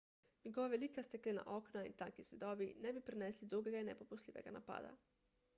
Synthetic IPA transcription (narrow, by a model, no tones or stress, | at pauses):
ɲeɡoʋaʋelikast̪eklina̰ʔoknaḭt̪akisjed̪obinebipɾeneslid̪ɾuɡeɡainepopuslʲiʋeɡa̰na̰pa̰ːd̪a̰